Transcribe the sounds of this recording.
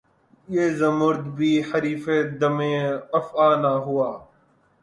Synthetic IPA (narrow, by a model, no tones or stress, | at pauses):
jeːzəmʊɾd̪bʱiːħəɾiːfeːd̪əmẽːəfaːnaːɦuaː